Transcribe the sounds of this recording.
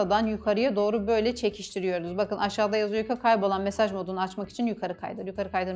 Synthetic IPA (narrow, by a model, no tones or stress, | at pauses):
ad̪anjukʰaɾɯjad̪o̞ːɾubø̞jlʲɛt͡ʃʰe̞cʰiʃt̪ʰiɾijo̞ɾuzbakɯnʔaʃaːd̪ajazujykʰakʰajbo̞lˠanme̞saʒmo̞d̪unaat͡ʃmaki̥t͡ʃʰinjykʰaɾɯkʰa̰jd̪ɯɾjukʰaɾɯkajd̪ɯɾ